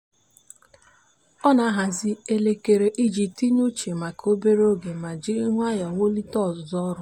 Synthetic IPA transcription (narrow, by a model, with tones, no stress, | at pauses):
ɔ˦na˨˦ɦa˨zɪ˦e˦le˦ke˨ɾe˨ʔi˦d͡ʒi˨p̚ti˦ɲu˦t͡ʃe˨ma˨kʰo˦be˦ɾe˦o˦ɡe˨ma˨d͡ʒi˦ŋʷ˦a˦ja˨wo˦li˦tɔ˦˨zɔ˦ɾʊ˨˦